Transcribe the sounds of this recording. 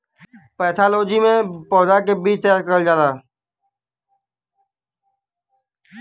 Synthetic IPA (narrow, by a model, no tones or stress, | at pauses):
pɛːt̪ʰaːloːd͡ʒiːmẽːpɔːzaːkeːbiːt͡ʃʰt̪əjaːɾkəɾəld͡ʒaːlaː